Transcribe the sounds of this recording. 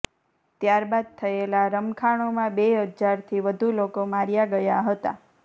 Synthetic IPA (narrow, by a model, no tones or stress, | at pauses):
t̪jaɾbad̪̚t̪ʰəelaɾəmkʰaɳ̃omãbeɦəd͡ʒzaɾt̪ʰiʋəd̪ʱulokomaɾjaɡəjaɦət̪a̰